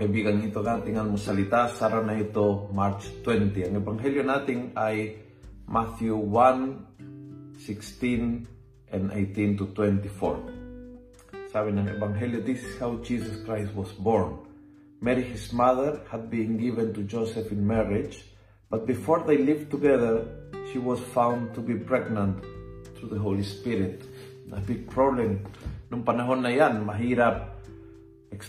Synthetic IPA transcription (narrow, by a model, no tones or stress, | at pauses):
ebiɡaŋit̪oɡant̪ĩŋãnmosalit̪asaɾanajt̪omaɾt͡ʃt̪wɛ̃nt̪iãnevãŋɦeljonat̪ĩŋaj | maθjuwãn | sikst̪ĩn | ʔãnḛjt̪ĩnt̪ut̪wɛ̃nt̪ifo̰ɹ | savĩnãnḛvãŋɦeljod̪isi̥shawd͡ʒisaskɹajstwɔsbɔɹn | mɛɾihismaðəɾhad̪̚bĩŋɡivə̃nt̪ud͡ʒosɛfĩnmɛɹid͡ʒ | b̥at̪̚bifɔɹðejlivt̪uɡɛðə˞ʃiwɔsfãw̃ndt̪ubipɹɛɡnãnt̪θɾuðəɦolispiɾit̪ | ə̰biɡ̚pʰɾoblẽmnũmpanaɦonːajanmaɦiɾab̚ | eks